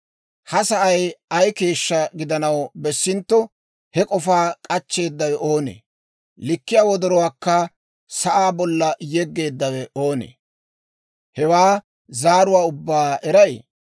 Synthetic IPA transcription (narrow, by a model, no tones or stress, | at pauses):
hɐsɐʔɐjɐjke̞ːʃːɐɡɪd̪ɐnɐwbɛsːɪnt̪ːɔ | hɛkʼɔfaːkʼɐt͡ʃːe̞ːd̪ːɐwɛʔo̞ːnḛː | lɪkːɪjaːwɔd̪ɔɾɔwaːkːɐ | sɐʔaːbɔlːɐjɛɡːe̞ːd̪ːɐwɛʔo̞ːnḛː | hɛwaː | zaːɾʊwaːʊbːaːɛɾɐj